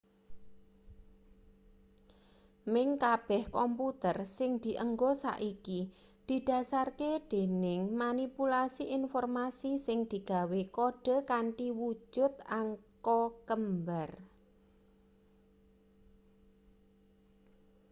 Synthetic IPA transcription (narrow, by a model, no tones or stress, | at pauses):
mɪŋkab̥ɛhkɔmput̪ərsɪŋd̪̥i̤ʔəŋɡosa̰ʔiki | d̪̥i̤d̥a̤sarked̪̥e̤nɪŋmanipulasiʔinfɔrmasisɪŋd̪̥i̤ɡ̥a̤wekoɖ̥ə̤kaɳʈiwu̥d͡ʒʒ̥ʊ̤t̪aŋkɔkəmbər